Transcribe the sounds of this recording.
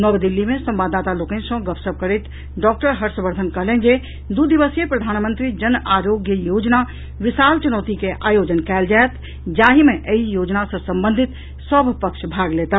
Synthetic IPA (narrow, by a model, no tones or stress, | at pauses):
nəbd̪ilːimẽsə̃mbad̪ːat̪alokə̃nsə̃ɡəpsəb̚kəɾet̪ | ɖɔk̚ʈəɾɦəɾsə̃bəɾd̪ʱənkəɦlend͡ʒe | d̪ud̪iʋəsjepɾəd̪ʱanmə̃nt̪ɾid͡ʒənaɾoɡjəjod͡ʒna | ʋɪsalt͡ʃunəːt̪ikeʔaːjod͡ʒənkɛːld͡ʒaet̪ | d͡ʒaɦimeʔəɦijod͡ʒnasə̃sə̃mbənd̪ʱit̪ | səbʱpəkʃʰbʱaɡlet̪a